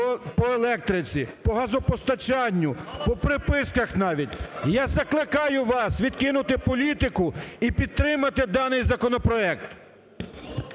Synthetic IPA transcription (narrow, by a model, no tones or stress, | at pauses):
pɔelˠɛk̚t̪ɾɪt͡sʲipɔɦɐzɔpɔst̪ɐt͡ʃɑnʲːʊpɔpɾɪpɪskɐxnɑʋʲitʲjɑzɐklˠɪkɑjʊʋɑsʋʲid̪kɪnʊt̪ɪpɔlʲit̪ɪkʊipʲid̪̚t̪ɾɪmɐt̪ɪd̪ɑnɪjzɐkɔnɔpɾɔɛk̚t̪